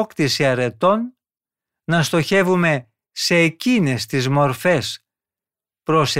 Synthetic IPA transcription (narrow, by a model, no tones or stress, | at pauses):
kt̪isiɐɾe̞t̪o̞nː | ɐst̪o̞çe̞vume̞ | se̞ːcine̞st̪izmo̞ɾfe̞s | pɾos